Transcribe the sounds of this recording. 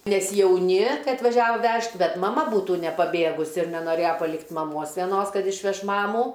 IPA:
nʲɛs jɛʊˈnʲɪ ˈkɐɪ ɐtʋɐˈʒʲæːʋoː ˈʋʲɛʃt ˈbʲɛt mɐˈmɐ ˈbuːtuː nʲɛpɐˈbʲeːɡʊsʲɪ ɪr nʲɛnoːˈrʲeːjɛ pɐˈlʲɪktʲ mɐˈmoːs ʋʲɛˈnoːs ˈkɐt ɪʃʲˈʋʲɛʃ ˈmɑːmuː

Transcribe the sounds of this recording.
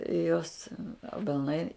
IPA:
ɪ ˈjoːs ɐbʲɛlˠˈnɐɪ

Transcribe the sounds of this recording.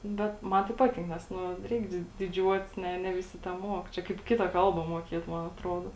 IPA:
ˈbʲɛt ˈmɐn tɐɪ ˈpɑːtʲɪŋk ˈnʲɛs ˈnʊ ˈrʲɛɪk dʲɪ dʲɪˈd͡ʒʲuɔtʲɪs ˈnʲɛ nʲɛ ʋʲɪˈsʲɪ tʲɛˈmuɔk ˈt͡ʃʲɛ kɐɪp ˈkʲɪtɐ ˈkɐlˠbɐ muɔˈkʲeːt ˈmɐn ɐtˈroːdoː

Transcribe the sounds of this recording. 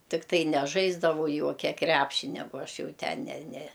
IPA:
tʲɪkˈtɐɪ nʲɛˈʒɐɪzdɐʋɐʊ ˈjuɔkʲɛ ˈkrʲæpʲʃʲɪnʲɛ ˈboː ˈɐʃ ˈjɛʊ ˈtʲɛn nʲɛ nʲɛ

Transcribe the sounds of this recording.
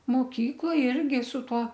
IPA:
moːˈkʲiːklˠoːj ˈɪrʲɡʲɪ sʊ ˈtuɔ

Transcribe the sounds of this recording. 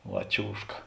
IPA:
ˈʋɐ ˈt͡ʃʲuːʃkɐ

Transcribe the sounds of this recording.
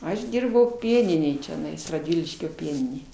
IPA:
ˈɐʃ ˈdʲiːrbɐʊ ˈpʲiɛnʲɪnʲeːj t͡ʃʲɛˈnɐɪs rɐdʲˈʋʲɪlʲɪʃʲkʲoː ˈpʲiɛnʲɪnʲeːj

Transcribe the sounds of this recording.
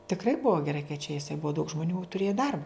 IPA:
tʲɪkˈrɐɪ ˈbʊɐ ɡʲɛˈrɐɪ kɐɪ t͡ʃʲɛ ɪˈsɐɪ ˈbʊɐ dɐʊk ʒmoːˈnʲuː tʊˈrʲeːjɛ ˈdɐrbɐ

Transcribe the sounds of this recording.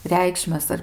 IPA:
ˈrʲɛɪkʃʲmʲɛs ɐr

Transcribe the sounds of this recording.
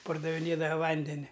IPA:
pɐrdɐʋʲɪˈnʲeːdɐ ˈʋɐnʲdʲɛnʲɪ

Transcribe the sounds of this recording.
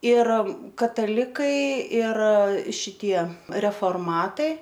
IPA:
ɪr kɐtɐˈlʲɪkɐɪ ɪr ʃʲɪˈtʲiɛ rʲɛfoːrˈmɑːtɐɪ

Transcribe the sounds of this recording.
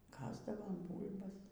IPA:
ˈkɑːzdɐʋoːm ˈbuːlʲbɐs

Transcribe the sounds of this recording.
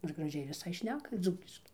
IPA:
nʊ ɪr ɡrɐˈʒʲɛɪ ʋʲɪˈsɐɪ ˈʃʲnʲæːkɐ ˈd͡zuːkʲɪʃkɐɪ

